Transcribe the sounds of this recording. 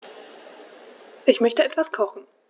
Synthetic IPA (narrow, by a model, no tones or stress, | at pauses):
ʔɪçmœçtəʔɛtv̥askʰɔχn̩